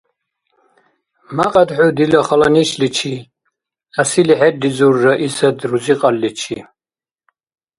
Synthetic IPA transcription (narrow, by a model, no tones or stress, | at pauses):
maqʼɑd̪ħud̪ilaχalaniʃlit͡ʃʰi | asiliħɛd̪izurːaʔisad̪ɾuziqʼalːit͡ʃʰi